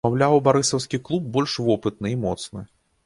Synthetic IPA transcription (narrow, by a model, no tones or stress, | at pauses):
awlʲawbaɾɨsɐwsʲkʲiklˠub̚bɔlʲʂvɔpɨt̪̚nɨimɔt̪snɨ